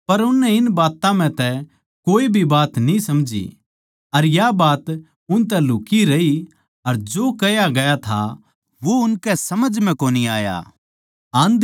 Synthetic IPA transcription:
pɐɾʊnːɛɪnbaːt̪ãm̤ɛ̃t̪ɛ | koːibʱibaːt̪nĩsɐmd͡ʒḭ | ɐɾjabaːt̪ | ʊnt̪̬ɛlʊːkiɾɐi | ɐɾd͡ʒoːkɐjaɡɐjat̪ʰa̰ | ʋoʊnkɛsɐməd͡ʒmɛ̃koːniaːja̰ː | ãːnd̪

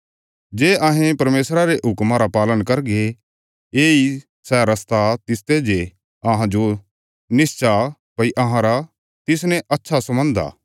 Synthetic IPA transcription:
d͡ʒeːʔaɦẽpɐɾmeːsɾaɾeʔɦʊkmaɾapaːlənkɐɾɡe | eːi | sɛɾɐst̪at̪ɪst̪ed͡ʒe | ɐɦãd͡ʒo | nɪst͡ʃa | pɐiʔɐɦãɾa | t̪ɪs̬nɛ̃ʔɐtːʃʰasɐmə̃nd̪a̰ː

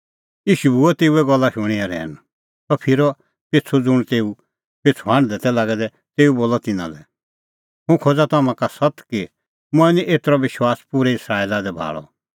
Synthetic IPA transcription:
jiːʃubʱuɛt̪eːuɛɡɔlːaʃʊɽ̃iaɾɛ̰ːn | t̪ɔpʰɪɾɔ | pet͡sʰod͡zʊɽ̃t̪eːu | peːt͡sʰoɦãːɽd̪ɛt̪ɛlaːɡɛd̪ɛ | t̪eːuboːlɔt̪ɪnã̰lɛ | ɦũkʰod͡zat̪amãkasɐt̪ki | mʊ̃ɛnĩʔeːt̪əɾɔʋɪʃwaːspuɾɛɪsɾaːiːlad̪ɛbʱa̰ːɭɔ̰

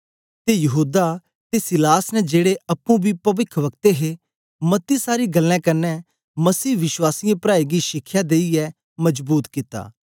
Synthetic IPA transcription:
t̪ejəɦuːd̪a | t̪esɪlaːsnɛd͡ʒeːɽeɐpːũbiːpɐʋɪkʰʋək̚t̪eɦe | mət̪ːisaːɾiɡəlːɛ̃ːkɐnːɛː | məsiːʋɪʃwaːsijãpɾaːiːɡiːʃɪkʰːjaːd̪eːiɛː | məd͡ʒbuːt̪kɪt̪a̰ː

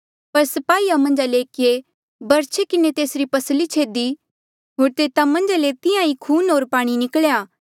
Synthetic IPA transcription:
pɐɾsɐpaːiːamɐ̃nd͡ʒaleːkɪe | bɐɾt͡ʃʰekɪnet̪eːsɾipɐslit͡ʃʰeːd̪i | ɦoːɾt̪eːt̪amɐ̃nd͡ʒalet̪ɪãikʰuːnɦoːɾpaːɽ̃inɪkɭjaː

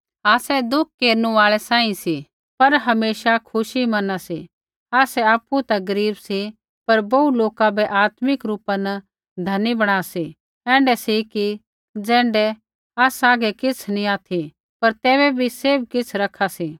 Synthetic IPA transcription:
aːsɛd̪ʊk̚ʰkːeːɾnũaːɭɛsãːĩsi | pɐɾɦɐmeːʃakʰʊʃimɐnasi | aːsɛaːpːut̪aɡɐɾiːbsi | pɐɾbɐuloːkabɛʔaːt̪mɪkɾuːpanɐ | d̪ʱɐnibɐɽ̃aːsi | ɛ̃ːɳɖɛsiki | d͡zɛ̃ːɳɖɛ | aːsaːɡɛkɪt͡sʰnĩaːt̪ʰi | pɐɾt̪ɛːβɛbʱiseːbkɪt͡sʰɾɐkʰːasiː

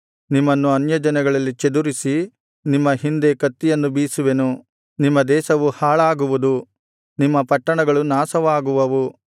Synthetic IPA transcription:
nimːɐnːuɐnjɐd͡ʒɐnɐɡɐɭɐlːit͡ʃed̪uɾisi | nimːɐɦind̪e̞kɐt̪ːijɐnːubiːsuʋenu | nimːɐd̪ɛːsɐʋuhaːɭaːɡuʋud̪u | nimːɐpɐʈːɐɳɐɡɐɭunaːsɐʋaːɡuʋɐʋu

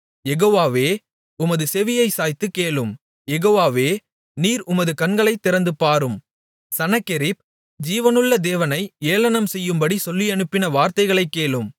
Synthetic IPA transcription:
jɛɣoːʋaːʋeː | ʊmɐðɯsɛʋɪjɐɪsaːjt̪ːɯkːeːɭɯm | jɛɣoːʋaːʋeː | niːɾʊmɐðɯkɐnɡɐɭɐɪt̪ːɪɾɐnd̪ɯpaːɾɯm | sɐnɐkːɪɾɪp̚ | d͡ʒiːʋɐnɯɭːɐd̪eːʋɐnɐɪeːlɐnɐmsɛjːɯmbɐɽisɔlːiɐnɯpːɪnɐʋaːɾt̪ɐɪɣɐɭɐɪkːeːɭɯm

